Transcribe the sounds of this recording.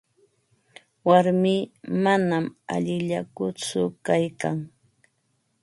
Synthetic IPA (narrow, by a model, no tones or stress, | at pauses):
waɾmiːmanama̰ʎɪʎakʊt͡sʊkajkaŋ